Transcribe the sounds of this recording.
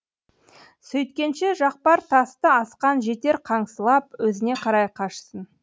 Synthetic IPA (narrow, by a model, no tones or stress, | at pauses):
sɵjt̪̚kʲe̞nʃe̞ʒɑq̚pɑɾt̪ʰɑst̪əɑsqɑnʒe̞t̪e̞ɾqʰɑɴsəlˠɑp̚wɵzɪne̞qʰɑɾɑjqʰɑʃə̥sən